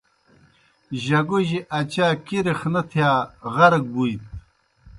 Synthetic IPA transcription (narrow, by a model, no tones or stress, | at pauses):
ʑɐɡuʑiʔɐt͡ɕaːkiɾixnɐt̪ʰjaːʁɐɾɐɡ̚bujt̪̚